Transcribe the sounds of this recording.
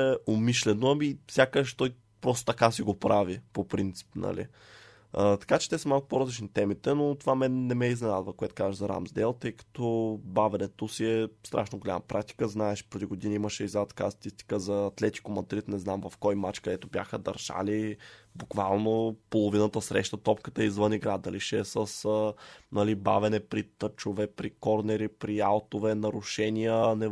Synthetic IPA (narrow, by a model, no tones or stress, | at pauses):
ɛomiʃlɛnoɐmifsʲjakəʃt̪ɔj | pɾɔst̪o̥t̪ɐkasiɡopɾavipopɾint̪si̥pnɐ̰lḭ | ət̪ɐ̥kat͡ʃɛ̥t̪ɛsəmalˠkʊ̥poɾɐzlʲit͡ʃnit̪ɛmit̪ɛnot̪ovamɛnːɛmɛiznɛna̰d̪vəkoɛt̪o̥kazəʒzɐɾa̰mzd̪ɛlˠt̪ɤjkɐ̥t̪ɔbavɛnɛt̪osiɛst̪ɾʔa̰ʃnoɡolʲa̰mɐ̰pɾʔak̚t̪i̥kəznaɛʃpɾod̪iɡod̪iniiməʃɛizat̪ka̰st̪ɐ̥t̪ist̪i̥kəzɐːt̪lɛt̪i̥komɐd̪ɾit̪nɛznamvɐfkɔjmat͡ʃkɐd̪ɛt̪ʊbjaxəd̪ɐ̰ɾʒ̥a̰libukva̰lˠnopolˠovinət̪əsɾɛʃt̪ət̪ɔpkət̪əɛizvɤniɡɾad̪ɐliʃɛsəs | nɐliba̰vɛnɛpɾit̪ət͡ʃovɛpɾikɔɾnɛɾipɾialˠt̪ovɛnɐɾʊʃɛnijənɛ